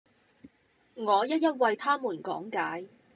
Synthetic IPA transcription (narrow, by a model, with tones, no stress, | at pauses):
ŋɔː˨˧jɐ˥t̚jɐ˥t̚wɐ˨˧jt̪ʰaː˥muː˨˩nkɔ̰ː˨˥ŋkaː˨˥j